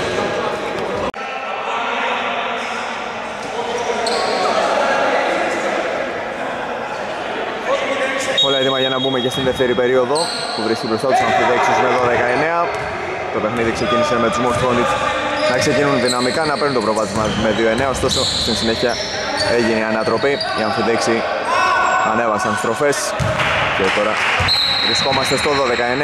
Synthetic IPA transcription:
polɐet̪imɐʝɐnɐbumecest̪inðeft̪e̞ɾipe̞ɾio̞ðo̞ | puvɾiscibɾo̞st̪ɐt̪usɐnθiðe̞ksizneðoðe̞kɐe̞ne̞ɐ | t̪o̞pe̞xniðikse̞ciniseme̞t̪uzmost̪fond̪it | nɐkse̞cinunðinɐmikɐnɐpeɾunt̪opɾovɐt̪izmɐme̞ðio̞e̞neɐost̪o̞so̞st̪insineçiɐ | eʝiniɐnɐt̪ɾo̞pi | iɐnθiðeksi | ɐne̞vɐsɐnst̪ɾo̞fe̞s | cet̪o̞ɾɐvɾisko̞mɐst̪est̪oðo̞ðe̞kɐene

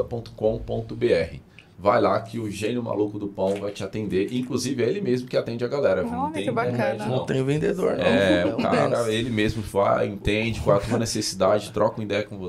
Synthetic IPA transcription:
ɐpõt̪ʊ̥kõw̃põt̪ʊbeɛhɪ̰ | vajlakɪʊʒẽnjʊma̰lukʊd̪ʊpɐ̃w̃vajt͡ʃɪat̪ẽnd̪eɾʔĩŋkluzivɪɛelɪmezmʊkɪat̪ẽnd͡ʒɪaɡalɛɾɐnɐ̃ẽĩbaeɾɛd͡ʒnɐ̃t̪ẽj̃ʊ̃vẽnd̪ed̪o̰ɾɛʊka̰ɾɐelɪmezmʊva̰jẽnt̪ẽd͡ʒɪkwaɛt̪uɐnesesid̪ad͡ʒɪt̪ɾɔkɐ̃ũĩd̪ɛjɐkõvo

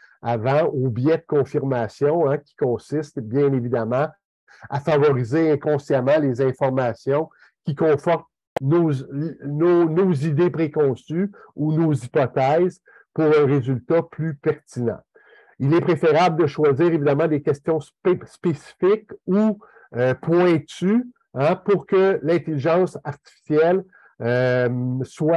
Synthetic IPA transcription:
avɑ̃objɛd̪əkɔ̃fiʁmasjɔ̃ɛkʲi̥kɔ̃sɪst̪bjɛ̃nevid̪amɑ̃ | afavɔʁizeɛ̃kɔ̃sjamɑ̃lezɛ̃fɔʁmasjɔ̃ | kʲikɔ̃fɔʁt̪ | no | nonozid̪epʁekɔ̃syunozipɔt̪ɛz | puʁœ̃ʁezylt̪aplypɛʁt̪inɑ̰̃ | ilɛpʁefeʁabld̪əʃwaziːʁevid̪amɑ̃d̪ekʲɛst̪jɔ̃s | spesi̥fɪku | øpwɛ̃t̪y | ãpʊʁkəlɛ̃t̪eliʒɑ̃ːsaʁt̪i̥fi̥sjɛl | ø | swa

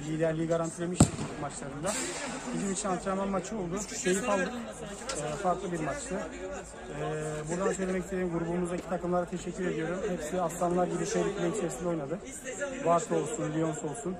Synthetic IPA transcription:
lʲiːd̪æɾlʲijːiɡaɾant̪ʰilʲemiʃmat͡ʃlˠaɾɯnd̪abizimit͡ʃʰinat͡ʃ̪amanmat͡ʃʰɯo̞lˠd̪ʊʃe̞jifalˠd̪ɯː | faɾklˠɯbiɾmat͡ʃt̪ʰɯ | ɛːbuɾd̪ansø̞jlʲemɛcised̪imɡuɾubumuzd̪acʰi̥t̪ʰakɯmlˠaɾat̪ʰe̞ʃɛcʰːyɾe̞d̪ijo̞ɾumhɛpsiast̪anlˠaɾɟibiʃejɾʲicʰilʲeit͡ʃʰeɾsind̪o̞jnad̪ɯ | vaɾt̪ʰo̞lˠsunlʲio̞nso̞lˠsun

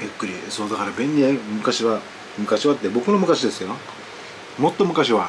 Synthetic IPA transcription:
jɯkːɯ̟ɾʲiso̞ːd̪akaɾabẽ̞ɲ̟ːiemɯ̟kaɕiβa | mɯ̟kaɕiβat̪ːebo̞kɯ̟nomɯ̟kaɕid̪e̞sɨjo | mo̞t̪ːo̞mɯ̟kaɕiβa

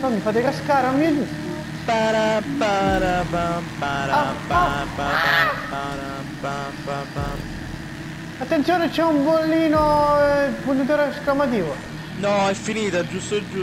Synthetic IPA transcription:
ɔmifat̪ekaskaːɾaumːiɛd͡ʒust̪o | paɾapaɾapapaɾappaapaɾa | papapa | at̪ːent̪sjoːnet͡ʃɛuɱbolːiːno | punt̪et̪̬oːɾesklamat̪iːvo | nɔɛfːiniːt̪ad͡ʒust̪od͡ʒu

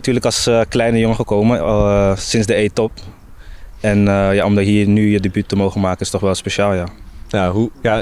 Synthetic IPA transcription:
tyːɹləkɑlˠsklɛjnəjoŋəχəkowməsɪnzdəejtɔp | ɛnəjaːɔmdɑtɦiːɹnyjədebytːəmowχənmaːkənɪstɔχʋɛlˠspeʃaːlˠjaːjaɦuja

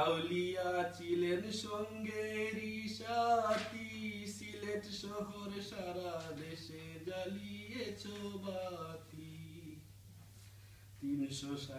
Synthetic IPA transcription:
awlijat͡silensoŋɡeɾisat̪isileʈsoɦoɾsaɾad̪esed͡zalijet͡sʰobat̪i | t̪insosa

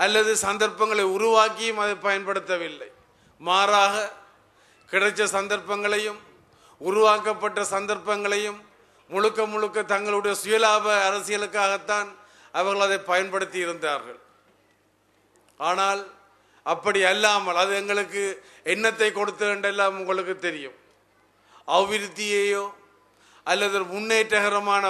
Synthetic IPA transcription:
ɐlːɐðɯsɐnd̪ɐɾpːɐŋɡɐɭɐɪʊɾʊʋaːkːɪjɯmɐðɐɪpːɐjɐnpɐɽɯt̪ːɐʋɪlːɐ̰ɪ | maːɾaːɣɐ | kɪɽɐɪt͡ʃːɐsɐnd̪ɐɾpːɐŋɡɐɭɐjɯm | ʊɾʊʋaːkːɐpːɐʈːɐsɐnd̪ɐɾpɐŋɡɐɭɐjɯmː | ʊɻʊkːɐmʊɻʊkːɐt̪ɐŋɡɐɭɯɽɐjɐsʊjɐlaːbɐːɾɐsɪɣɐɭɯkːaːɣɐt̪ːaːn | ɐʋɐɾɣɐɭɐðɐɪpɐjɐnpɐɽɯt̪ːɪɪɾɯnd̪aːɾɣɐ̰ɭ | aːnaːl | ɐpːɐɽiɐlːaːmɐlɐðɯɛŋɡɐɭɯkːɯ | ɛnːɐt̪ːɐɪkːɔɽɯt̪ːɯɛɳɖɛlːaːmʊŋɡɐɭɯk̬ːɯt̪ːɛɾɪjɯm | ɐʋɪɾɯt̪ːɪjejoː | ʔɐlːɐðɐmʊnːeːʈːɐɣɐɾɐmaːnɐ

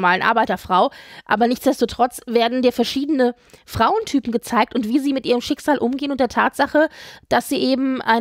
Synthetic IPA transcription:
maːlənʔa̰ɐbaɪtɐfʁ̥aʊʔa̰ːbɐnɪçt͡sd̥ɛstotʁ̥ɔt͡sv̥eːɐdn̩diːɐfɛɐʃiːdənə | fʁ̥aʊəntʰyːpm̩ɡət͡saɪk̚tʊntv̥iːziːmɪtʔiːʁ̞əmʃɪkz̥aːlʔʊmɡeːənʊntdeːɐtʰaːtz̥aχəd̥asz̥iːʔeːbm̩ʔa̰ɪ

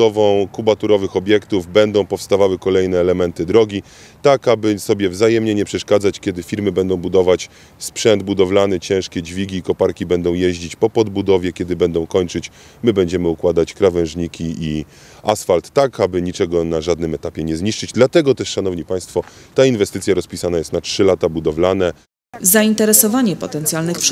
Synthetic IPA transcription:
ɔvɔ̃w̃kubat̪uɾɔvɘxɔbʲjɛkt̪uvbɛnd̪ɔ̃w̃pɔfst̪avawɘkɔlɛjnɛːlɛmɛnt̪ɘd̪ɾɔɡʲi | t̪akabɘsɔbʲjɛvzajɛmɲɛɲɛpʂɛʂkad̪zat͡ɕkʲjɛd̪ɘfʲiɾmɘbɛnd̪ɔ̃w̃bud̪ɔvat͡ɕ | spʂɛnd̪bud̪ɔvlanɛt͡ɕɛ̃w̃ʂkʲɛd͡ʑvʲiɡʲiːkɔpaɾkʲibɛnd̪ɔ̃w̃jɛʑd͡ʑit͡ɕpɔpɔd̪bud̪ɔvʲjɛkʲɛd̪ɘbɛnd̪ɔ̃w̃kɔɲt͡ʂɘt͡ɕ | mɘbɛɲd͡ʑɛmɘukwad̪at͡ɕkɾavɛ̃w̃ʐɲikʲiʔi | asfalt̪ːakabɘɲit͡ʂɛɡɔnaʐad̪nɘmɛt̪apʲjɛɲɛzɲiʂt͡ʂɘd͡ʑd̪lat̪ɛɡɔt̪ɛʂʂanɔvɲipaj̃st̪fɔt̪ainvɛst̪ɘtsʲjaɾɔspʲisanajɛst̪natʂɘlat̪abud̪ɔvlanɛ | zaint̪ɛɾɛsɔvaɲɛpɔt̪ɛnt̪sjalnɘxp

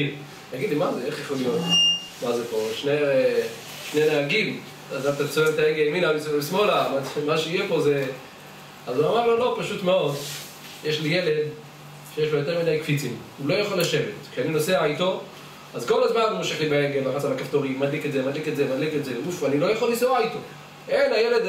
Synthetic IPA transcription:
i | jaɡid̪limazeeχjaχolijo̞t̪ | mazepo̞ʃne | ʃneneaɡim | adaft̪atsvevet̪aeɡeliminalislismo̞lamaemaʃeijepo̞ze | azuamaʁlo̞lo̞paʃutme̞o̞d | jeʃlijele̞d̪ | ʃejeʃbojo̞teʁmidajkfit͡sim | ulo̞jaχolaʃe̞vetkʃeanino̞seaajto̞ | azko̞lazmanmoʃeχlibaeɡelmaχasalakaft̪oʁimad̪liketzemad̪liketzemadliketzeleɡufanilo̞jaχolːisoajto | ʔenajeled

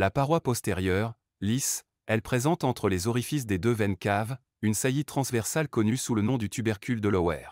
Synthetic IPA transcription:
lapaʁwapɔst̪eʁjœːʁ | lis | ɛlpχezɑ̃t̪ɑ̃t̪χəlezɔʁifis̬d̪ed̪øvɛnkav | ynsajit̪χɑ̃svɛʁsalkɔnysulənɔ̃d̪yt̪ybɛʁkʲyld̪əlɔwɛ̰ːʁ

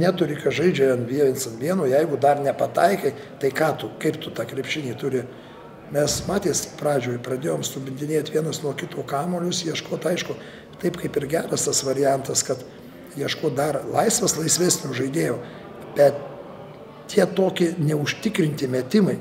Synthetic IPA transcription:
nʲæːt̪ʊɾʲɪkɐtʒɐɪd͡ʒʲɛɐnʋʲiɛnsɐnʋʲiɛnuːjɛɪɡʊd̪ɐrnʲɛpɐt̪ɐɪkɐɪ | t̪ɐɪkɑːt̪ʊkɐɪpt̪ʊt̪ɑːkɾʲɛpʲʃʲɪnʲiːt̪ʊɾʲɪ | mʲɛsmɑːt̪ʲeːspɾɑːd͡ʒʲoːjpɾɐd̪ʲeːjoːmsʊbʲɪnʲd̪ʲɪnʲeːt̪ʲʋʲiɛnɐsnuɔkʲɪt̪uːkɑːmoːlʲʊsjiɛʃkoːt̪ɐɪʃkʊ | t̪ɐɪpkɐɪpɪɾɡʲæːɾɐst̪ɐsʋɐɾʲɪjɛnt̪ɐskɐt̪ | jiɛʃkoːt̪̚d̪ɐrlˠɐɪsʋɐslˠɐɪsʲʋʲeːsʲnʲʊːʒɐɪd̪ʲeːjoː | bʲɛt̪̚ | t̪ʲiɛt̪oːkʲɪnʲɛʊʃʲt̪ʲɪkɾʲɪnʲt̪ʲɪmʲɛt̪ʲɪmɐɪ

